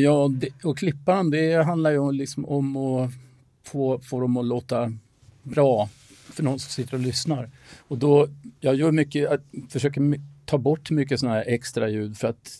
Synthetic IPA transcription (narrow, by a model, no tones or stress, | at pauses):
jɑːd̪ɛɔkʰlɪpːaɾɔmd̪ɛɦand̪laɾjəlɪksɔmɔmɔ | foːfoːɾɔmɔloːt̪a | bɾɑː | fœɳɔnsɔmsɪt̪ːəɾɔlʏsnaɾɔd̪ɔjɑːɡjœːɾmʏkːəafœʂøːkəɾmt̪ʰɑːbɔʈːmʏkːəsɔnahæːɾʔɛkst̪ɾajʉ̟ːd̪fœɾat̪